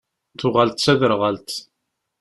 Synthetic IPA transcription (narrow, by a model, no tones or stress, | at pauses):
θʊʁalt̪sæðəɾʁalt̪